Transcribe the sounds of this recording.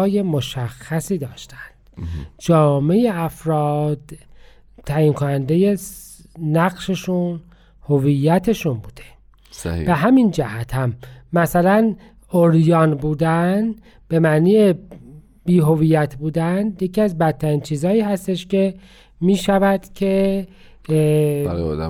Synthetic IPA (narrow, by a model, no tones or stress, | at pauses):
je̞moʃæxːæsiːd̪ɒːʃt̪ʰæ̥nd̪̥d͡ʒɒːme̞jeæfɾɒːd̪̥ | t̪ʰːæːjinkʰonænd̪e̞je̞ː | æɢʃeʃun | hovijːæt̪ʰe̞ʃunbuːd̪̥e̥ | sbeɦæmind͡ʒæhæt̪ʰhæmːæsælæn | oɾjɒːnbuːd̪æn | b̥e̞mæʔniːje | biːɦo̞vijæt̪ʰbuːd̪ænjeciːæzbæt̪ʰːæɾiːnt͡ʃʰiːzɒːiːɦæst̪e̞ʃce̞ | miːʃævæd̪̥cʰe̞